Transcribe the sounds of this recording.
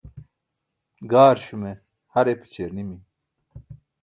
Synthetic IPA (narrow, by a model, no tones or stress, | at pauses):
ɡaːɾɕume | hɐɾepi̥t͡ɕʰeɾnimi